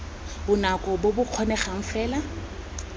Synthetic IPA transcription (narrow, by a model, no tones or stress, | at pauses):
bʊnakʼɔbobʊq͡χʰɔnɛχaŋ̩fɛːla